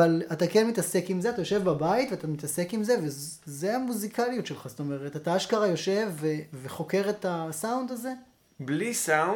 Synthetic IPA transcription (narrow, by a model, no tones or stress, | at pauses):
alatakenmitase̞kimzeatajo̞ʃe̞vbabaitveat̪amit̪ase̞kimze̞vez | zeamuzikalijutʃe̞lχast̪o̞me̞ʁetataaʃkaʁajo̞ʃe̞vːeveχo̞ke̞ʁe̞tasawnd̪aze̞ | blisa